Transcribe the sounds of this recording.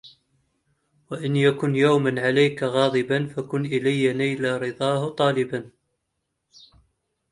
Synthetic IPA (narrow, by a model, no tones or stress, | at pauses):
waʔɪnjakʊnjawmanʕalajkaɣɑːd̪ˤɨbanfakʊnʔɪlajːanajlaɾɨd̪ˤɑːhʊt̪ˤɑːlɪban